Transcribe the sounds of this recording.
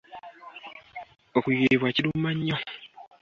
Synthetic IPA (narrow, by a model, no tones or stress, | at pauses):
okujeeβwaciɾumaɲːo